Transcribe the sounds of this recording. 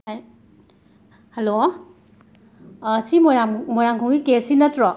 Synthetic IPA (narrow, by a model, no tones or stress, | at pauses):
helo | simɔamɔjɾaŋkʰɔŋɡikep̚sinɐtɾɔ